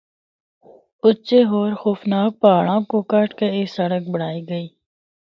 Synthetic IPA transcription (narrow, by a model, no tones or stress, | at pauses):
ʊt͡ʃeːɦoːɾxoːfnaːk̚paːɭãːkoːkəʈkeeːsəɽək̚bəɽ̤aːiːɡəiː